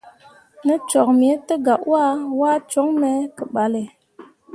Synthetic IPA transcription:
nə˦t͡ʃɔ˨k̚m˨e˨˦tə˦ɡa˨ʔwa˦wa˦t͡ʃo˨˦ŋme˨˦kə˨ɓa˨le˨

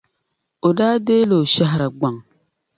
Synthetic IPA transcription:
o˨daː˦deː˦lo˨ʃa˦ɦɾa˨ɡ͡ba˨ŋ

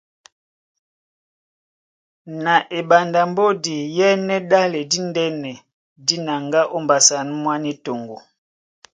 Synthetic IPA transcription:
na˨ʔe˨ba˨nda˨mbo˦di˨jɛ˦nɛ˦ɗa˦lɛ˨di˦ndɛ˦nɛ˨ | di˦na˨ŋɡa˦ʔo˦mba˨sa˨n˦mwa˦ni˦to˨ŋɡo˨

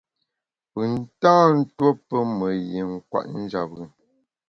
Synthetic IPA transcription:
pɨ˨n̩˦tãː˦n̩˦two˦pə˦mə˨je˨ŋ̩˦kwa̰˨ʔn̩˦d͡ʒa˨p̚ɣə˨

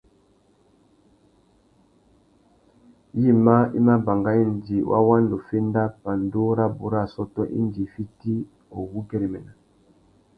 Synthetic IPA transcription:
ji˦˨ma˦ḭ˦ma˦ba˨ŋɡa˦i˦n˨d͡ʒi˨wʔa̰˦wa˦ndo˨fe˦nda˦pa˨ndo˦ɾa˦bṵ˨ɾa˦˨sɔ˦tɔ˦ʔḭ˦nd͡ʒi˨fi˦ti˦ | o˨wu˦kɛ˦ɾi˨mɛ˨na˨

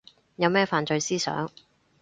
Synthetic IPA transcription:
jɐ˨˧wmɛː˥faː˧nt͡ʃɵ˧ɥsiː˥sœ̰ː˨˥ŋ

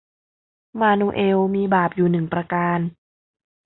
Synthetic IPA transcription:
maː˧nuː˧ʔe˧wmiː˧baː˨˩p̚juː˨˩nɯ˨˩ŋpɾaː˧kaː˧n

